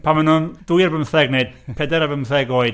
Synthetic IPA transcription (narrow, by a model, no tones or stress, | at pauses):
pʰamanʊnd̥ujəvəmθɛɡneɨd̥̚pʰɛdɛɾavəmθɛɡoːɨd̥